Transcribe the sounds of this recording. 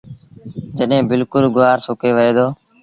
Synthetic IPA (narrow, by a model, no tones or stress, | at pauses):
d͡ʒəɗɦẽːbɪlkʊlɡʊʋaːɾsʊkeːʋəeːd̪oː